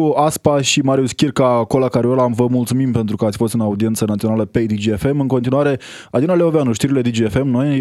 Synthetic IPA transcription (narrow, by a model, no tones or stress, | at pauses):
uaspaʃimaɾiuskʲirkakolakaɾeolamvəmult̪sumimpe̞nt̪ɾukəat̪sʲfo̞st̪ɨnaud̪ie̞nt̪sənat̪sio̞naləpe̞d̪id͡ʒiefe̞mɨŋko̞nt̪̬inuaɾe̞ | ad̪inaleoveanuʃt̪iɾile̞d̪id͡ʒiefe̞mno̞j